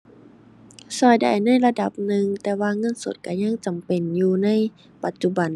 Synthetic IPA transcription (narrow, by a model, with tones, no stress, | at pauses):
sɔː˧˩jda̰˧˩jna˧˥˨jla˧da˧˦p̚nɯ˧ŋt̪ɛː˧waː˧ŋɤ˧˥˨nso̰˨˧˦t̪̚ka˧˩ɲa˧˥˨ŋt͡ɕa˨˩mpe˨njuː˧na˧˥˨j | pa˨˩t̪̚t͡ɕu˧ba˨˩n